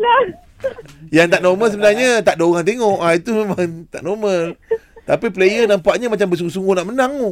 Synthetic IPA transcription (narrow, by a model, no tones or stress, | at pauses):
la | jaŋt̪aʔnoməs̬əbənarɲat̪aʔdaoɣaŋt̪eŋɔʔait̪umemaŋt̪a̰ʔnomət̪apiplejənampaʔɲamat͡ʃambəsuŋɡosuŋɡohnaʔmənãŋo